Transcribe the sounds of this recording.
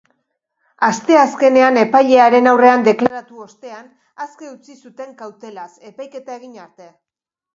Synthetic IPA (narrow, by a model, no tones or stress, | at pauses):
ast̪e̞aske̞ne̞ane̞pajʎe̞aɾe̞nawre̞and̪e̞klaɾat̪uo̞st̪e̞an | aske̞ut͡sisut̪e̞ŋkawt̪e̞lase̞pajke̞t̪ae̞ɣ̞iɲaɾt̪e̞